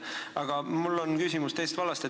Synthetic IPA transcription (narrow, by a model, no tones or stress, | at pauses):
ɑɡ̥ɑmulːonkysʲimust̪e̞jst̪vɑlɑst̪e